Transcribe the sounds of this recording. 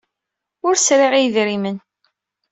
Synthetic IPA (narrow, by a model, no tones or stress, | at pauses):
ʊɾsɾiʁijðɾimən